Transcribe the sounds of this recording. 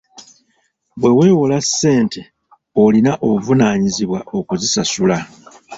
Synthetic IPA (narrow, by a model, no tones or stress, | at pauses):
βwe̞we̞ːwolasːe̞ːnte̞ | olinaʔoβuvunaːɲiziβwao̞kuzisasula